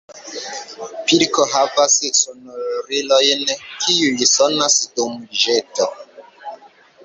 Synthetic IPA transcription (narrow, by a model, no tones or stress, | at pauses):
piɾkɔɦavasisɔnɔɾɾilɔjɛnɛkʰijulisɔnasidomiʒɛtɔ